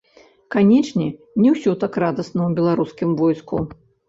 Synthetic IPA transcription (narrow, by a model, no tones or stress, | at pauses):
kanʲɛt͡ʂnʲɛ | nʲɛwsʲɔt̪akrad̪ɐsnɐwbʲɛlˠaɾuskʲimvɔjsku